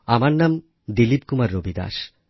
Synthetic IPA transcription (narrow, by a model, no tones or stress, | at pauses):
amaɾnam | d̪ilipkumaɾːobʱid̪a̰ʃ